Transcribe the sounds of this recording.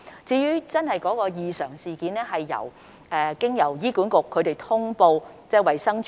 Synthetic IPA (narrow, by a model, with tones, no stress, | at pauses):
t͡siː˧jyː˥t͡sɐ˥nhɐ˨jkɔː˨˥kɔː˧jiː˨˧sœː˨˩ŋsiː˨kiː˨˧nɛː˥ɦɐ˨jːɐ̰˨˩w | ʔɛː˨˧kɪ˥ŋjɐ˨˩wjiː˥kuː˨˥nkʊ˨kʰːɵ˨˧ɥt̪e˨jt̪ʰʊ˥ŋpo˧wt͡sɛː˥˩wɐ˨jsɐ˥ŋt͡ʃ